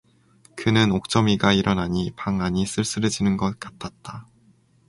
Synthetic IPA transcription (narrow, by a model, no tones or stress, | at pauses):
kɯnɯnok̚t͡ɕ͈ʌmiɡaiɾʌnaɲipaŋaɲis͈ɯɭs͈ɯɾɯd͡ʑinɯnɡʌt̚k͈ḁtʰat̚t͈a